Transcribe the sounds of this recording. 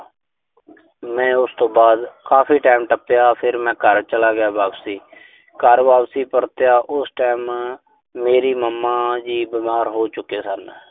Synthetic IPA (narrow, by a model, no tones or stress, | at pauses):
mɛ̃ːʊst̪õːbaːd̪kaːpʰiːʈaːɪmʈəpjaːpʰɪɾmɛ̃ːkəɾt͡ʃəlaːɡɪjaːbaːbsiː | kəɾʋaːpsiːpəɾt̪jaːʔʊsʈaːmː | eːɾiːməmːaːd͡ʒiːbɪmaːɾɦoːt͡ʃʊkeːsən